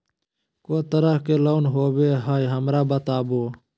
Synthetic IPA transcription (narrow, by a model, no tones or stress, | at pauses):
koːt̪əɾəhkeːloːnɦoːbeːɦaːiɦəmɾaːbət̪aːboː